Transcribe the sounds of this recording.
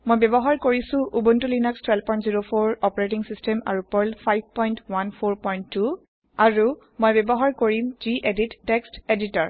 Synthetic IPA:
mojbɛbɔɦaɹkoɹisʊ̃ʔubuntulinakstʰwɛlpɔj̃ntziɹopʰoɹɔpɔɹet̬iŋsistɛma̰ɹupɔɹlpʰajb̚ʱpɔjntwanpʰoɹpɔjntːu | aɹu | mojbɛbɔɦaɹkoɹimziʔeditːɛksteditɔɹ

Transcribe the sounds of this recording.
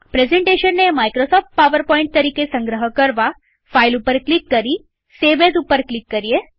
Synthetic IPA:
pɾezẽɳʈeːʃənːemajkɾosɔːfʈ̚paʋəɾpɔːɪ̃ɳʈ̚t̪ɐɾiːkesə̃ŋɡɾəɦəkəɾʋa | fʰailupəɾklɪkːəɾi | seʋezupəɾklɪkːəɾie

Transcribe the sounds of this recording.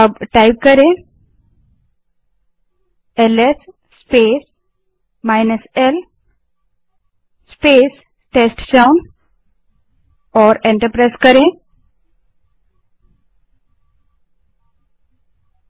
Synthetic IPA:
əbʈajp̚kəɾẽ | eles | spes | majnəsel | speːs | ʈesʈt͡ʃawn | ɔːɾẽɳʈəɾpɾajskəɾẽ

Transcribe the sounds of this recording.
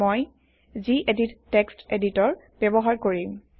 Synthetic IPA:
moj | ziʔedittːeksteditɔɹ | b̥ɛbɔɦaɹkoɹim

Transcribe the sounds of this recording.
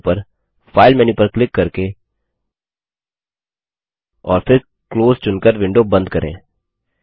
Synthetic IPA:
pɐɾ | faːɪlmɛnipɐɾklɪkːɐɾke | ɔ̰ːɾfɪɾ | kloːzt͡ʃʊnkəɾʋɪ̃ɳɖobɐ̃nd̪kɐɾʔḛ̃ː

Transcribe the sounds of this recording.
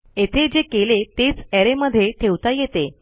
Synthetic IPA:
et̪ʰed͡ʑekelet̪et͡sɛɾeməd̪ʱːjeʈʰeʋt̪ajet̪e

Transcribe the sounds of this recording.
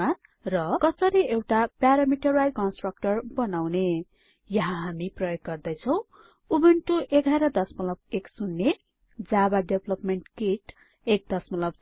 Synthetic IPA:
a | rʌkʌsʌɾiewʈapjaɾamiʈʌrajd͡zkʌnsʈrʌk̚ʈʌrbʌnawne | jʌɦãɦamiprʌjoɡːʌrd̪ʌjt͡sʰʌw̃ | ubeɳʈuʔeɡʱaɾʌd̪ʌsmʌlʌbeksunːe | d͡zabaɖeblʌpmeɳʈkiʈ | ek̚d̪ʌsmʌlʌb

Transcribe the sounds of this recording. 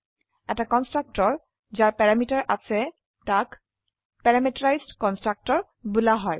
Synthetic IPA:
ɛ̰takɔnstɹak̚tɔɹ | zaɹpɛɹamitaɹʔasɛ | tak | pɛɹamitɔɹajzdkɔnstɹak̚tɔɹ | bulaɦɔj

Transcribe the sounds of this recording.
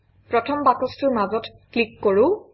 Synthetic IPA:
pɹɔtʰɔmbakɔstʊɹmazɔtklikːoɹʊ̃

